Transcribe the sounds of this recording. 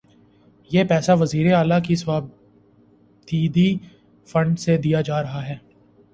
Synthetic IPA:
jeːpɛːsaʋɐziːɾeaːlakiswaːb | t̪ʰiːd̪i | fɐ̃ɳɖsed̪ijad͡ʒaːɾɐɦaɦɛː

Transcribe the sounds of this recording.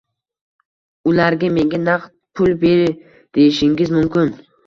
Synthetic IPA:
ʊlaɾɡʲame̞ŋɡʲanaqt̪̚pʰʊlˠbe̞ɾɪ | d̪̥e̞jɪʃɪŋɡʲɪzmʊmkʲɪn

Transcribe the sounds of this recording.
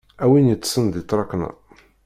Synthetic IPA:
æwinjət͡sːsənd̪it̪ˤːɾˤɑknæ̰

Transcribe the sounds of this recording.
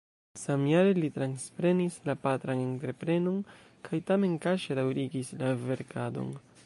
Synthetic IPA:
samjaɾe̞litɾanspɾe̞nislapatɾane̞ntɾe̞pɾe̞non | kʰajtame̞nkaʃedawɾiɡislave̞ɾkado̞̰n

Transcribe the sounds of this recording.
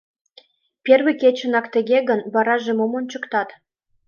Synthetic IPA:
pʲerβĭkʲet͡ɕə̆nɑkt̪ə̆ɣeɣə̆nβɑɾɑʒemomont͡ɕə̆kt̪ɑt̪

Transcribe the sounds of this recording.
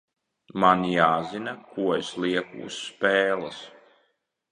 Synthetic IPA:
manjaːzinakuɔɛsliɛkṵːsːpɛːlˠas

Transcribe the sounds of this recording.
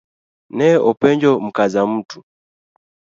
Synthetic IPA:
nɛɔpɛɲd͡ʒɔm̩kazam̩tu̥

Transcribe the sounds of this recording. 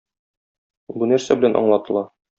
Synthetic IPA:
bunæɾsæbɘ̆lænʔɒ̰ɴlˠɑt̪ɤ̆lˠɑ

